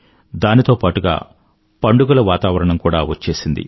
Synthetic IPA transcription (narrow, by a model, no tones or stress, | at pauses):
d̪aːnit̪o̞ːpaːʈuɡa̰ː | pɐɳɖuɡulɐʋaːt̪aːʋɐɾɐɳɐmkuːɽaːʋɐt͡ʃːe̞ːsind̪ḭ